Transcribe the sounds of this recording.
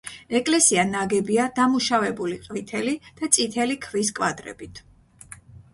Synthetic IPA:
ɛkʼlɛsianaɡɛbiad̪̥amuʃavɛbuliqʼvit̪ʰɛlid̪̥at̪sʼit̪ʰɛlikʰviskʼwad̪ɾɛ̰bit̪ʰ

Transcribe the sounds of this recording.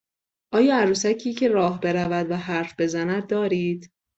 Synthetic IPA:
ʔɒːjɒːæɾuːsæcʰiːcʰe̞ɾɒːhbe̞ɾævæd̪væɦæɾfb̥e̞zænæd̪̚ːɒːɾiːd̪̥

